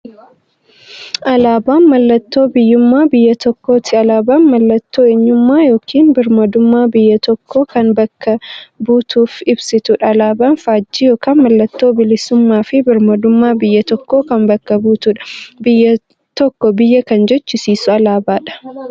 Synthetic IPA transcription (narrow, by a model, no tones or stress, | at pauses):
ʔɐlaːbaːnmɐlːɐt̪ːo̞ːbɪjːʊmːaːbɪjːɐt̪ɔkːo̞ːt̪ʰɪɐlaːbaːnmɐlːɐt̪ːoːeɲːʊmːaːjoːkʰiːnbɪɾmɐd̪ʊmːaːbɪjːɐt̪ɔkːoːkɐnbɐkʰːɐbuːt̪uːfɪbsɪt̪ʊᶑɐːlaːbaːnfaːd͡ʒːiːjoːkaːnmɐlːɐt̪ːo̞ːbɪlɪsʊmːaːfɪbɪɾmɐd̪ʊmːaːbɪjːɐt̪ɔkːo̞ːkɐnbɐkːɐbuːt̪ʊᶑɐ̥jɐ | t̪ɔkːɔbɪjːɐkɐnd͡ʒɔt͡ʃːɪsiːsʊɐlaːbaːᶑɐ̥